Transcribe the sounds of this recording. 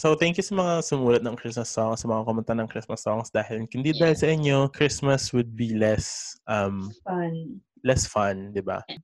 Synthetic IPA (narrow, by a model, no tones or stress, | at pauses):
sowt̪ɛŋkjʊsɐmɐŋasʊmuːlɐt̪̚nɐŋkɹɪsmɐsːɔŋsɐmɐŋakomʊnt̪anɐŋkɾɪsmɐsːɔŋsd̪aːhɪlkʊnd̪id̪aːhɪlsɐʔɪɲo̞kɹɪsmɐswʊd̪̚bilɛsʔɐmn | lɛsfɐnd̪ɪba̰